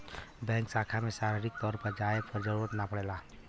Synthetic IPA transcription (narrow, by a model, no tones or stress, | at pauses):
bɛ̃ːŋksaːkʰamẽsaːɾɪɾɪk̚t̪ɔːɾpəɾd͡ʒaːjepəɾd͡ʒəɾuːɾət̪napəɽeːlaː